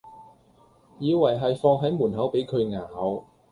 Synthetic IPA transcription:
jiː˨˧wɐ˨˩jɦɐ˨jfɔː˧ŋɦɐ˨˥jmuː˨˩nɦɐ˨˥wpe˨˥jkʰɵ˨˧ɥŋaː˨˩ɦɐ˨˧˥w

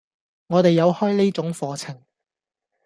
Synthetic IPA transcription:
ŋɔː˨˧t̪e˨jːɐ˨˧whɔː˥jni˥t͡sʊ˨˥ŋfɔː˨˧t͡sʰɪ˨˩ŋ

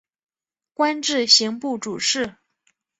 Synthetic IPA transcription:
kwa˥nʈ͡ʂɻ̩˥˩ɕi˧˥ŋpu˥˩ʈ͡ʂu˨˩ʂɻ̩˥˩

